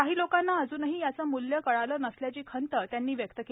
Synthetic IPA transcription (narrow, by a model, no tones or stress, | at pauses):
kaɦiːlokanːaəd͡zuːnəɦiːjat͡səːmuljəkəɭaləːnəsljat͡ɕiːkʰənt̪ət̪janːiːʋjəkt̪əke